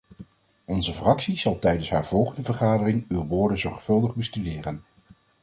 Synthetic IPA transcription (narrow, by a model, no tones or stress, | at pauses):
ɔnzəfrɑksiz̥ɑlˠtɛjdənsɦaːɹv̥ɔlˠχəndəvəɹχaːdərɪŋywʋʊːɹdənzɔɹχfɵlˠdəχbəstydɪːrən